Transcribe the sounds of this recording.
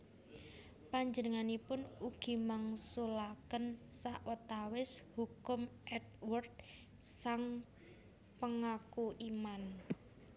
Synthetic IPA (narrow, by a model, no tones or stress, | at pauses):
paɲd͡ʒənəŋanipʊnuɡ̥i̤maŋsulakənsaʔwət̪awɪshukʊmʔɛt̪̚wʊrt̪̚ | saŋ | pəŋakuʔiman